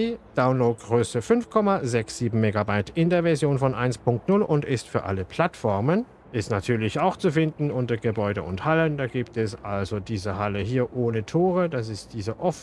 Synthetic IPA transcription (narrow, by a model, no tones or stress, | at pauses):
iːd̥aʊnloːt̚ɡ̥ʁøːsəfʏnfkʰɔmazɛksz̥iːbm̩meɡabaɪtɪndeːɐvɛɐzjoːnfɔnʔa̰ɪnspʰʊŋk̚tnʊlʔʊntɪstfyːɐʔa̰ləpʰl̥atfɔɐmən | ʔɪstnatʰyːɐlɪçaʊxt͡sufɪndn̩ʔʊntɐɡəbɔʏdəʊnthaləndaːɡiːptɛsʔalzodiːzəhaləɦiːɐʔoːnətʰoːʁədas̬ɪstd̥iːzəʔɔf